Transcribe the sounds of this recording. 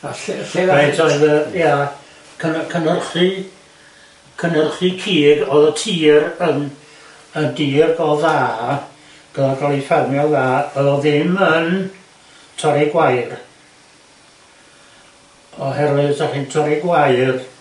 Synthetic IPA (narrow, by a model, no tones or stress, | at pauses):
aɬɬeatʰɔðəja | kʰənkʰənərχɨ | kʰənərχɨkʰiːɡɔðətʰiːrən | əndiːrɡɔðaː | ɡ̥əðaɡalˠifɛrmjɔðaːɔðɔðɪmən | tʰɔɾiɡwajr | ɔhɛrwɨsaχɨntʰɔɾiɡwajr